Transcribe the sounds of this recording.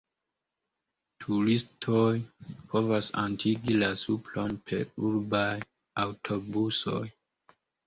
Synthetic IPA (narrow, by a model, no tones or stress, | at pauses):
tʰuɾistʰojpʰo̞vasa̰ntʰiɡilasuplo̞npʰe̞̰ɾuɾbaj | awtʰo̞buso̞̰j